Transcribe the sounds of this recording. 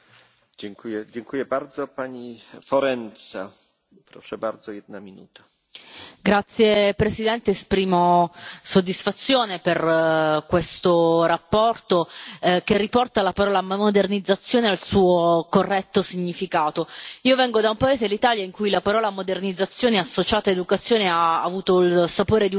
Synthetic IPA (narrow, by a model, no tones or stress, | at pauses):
d͡ʒɛŋkujɛd͡ʑɛŋkujɛbaɾd̪zɔpaɲifɔɾɛnt̪sa̰ | pɾɔʂɛbaɾd̪zɔjɛd̪̚namʲinṵt̪ḁ | ɡɾat̪sːjepɾesid̪ɛnt̪eːspɾiːmosod̪ːisfat̪sːjoːneperkwest̪oɾapːɔrt̪okerːipɔrt̪alapaɾɔːlammod̪ernid̪zat̪sːjoːnealsuːokorːɛt̪ːosiɲːifikaːt̪oiːovɛŋɡod̪aumpaeːzeelːit̪aːljaiŋkujlapaɾɔːlamod̪ernid̪zːat̪sːjoːneasːot͡ʃaːt̪aed̪ukat̪sːjoːneaːvuːt̪oilsapoːɾed̪i